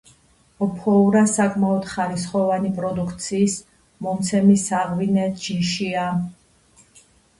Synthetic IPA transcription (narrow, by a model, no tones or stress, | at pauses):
ɔpʰɔuɾasakʼmaɔd̪̥χaɾisχɔvanipʼɾɔd̪ukʰt̪sʰiːs | mɔmt̪sʰɛmisaʁvinɛd͡ʒiʃia